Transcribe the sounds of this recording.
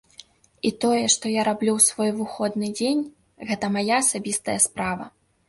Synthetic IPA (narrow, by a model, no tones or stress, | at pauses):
it̪ɔjɛʂt̪ɔjaɾablʲuwsvɔjvɨxɔd̪nɨd͡zʲenʲ | ɣɛt̪ɐmajaɐsabʲist̪ɐjɐspɾavɐ̰